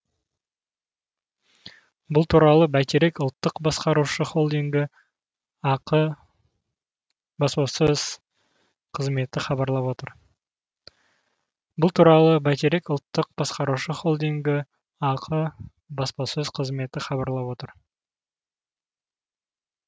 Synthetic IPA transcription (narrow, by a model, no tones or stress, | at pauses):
bʊlˠt̪ʰuɾɑlˠəbæt̪eɾe̞kʊlˠt̪ːəqbɑsqɑɾuʃəχo̞lˠd̪iŋɡʲɪ | ɑqə | bɑspɑsəz̥ | qʰəzme̞t̪ɪχɑbɑɾlˠɑpwo̞t̪əɾ | bʊlˠt̪ʰuɾɑlˠəbæt̪eɾe̞kʊlˠt̪ːəq̚bɑsqɑɾuʃəχo̞lˠd̪iŋɡʲɪ | ɑqʰə | bɑspɑsəzqʰəzme̞t̪ɪχɑβɑɾlˠɑpwo̞t̪əɾ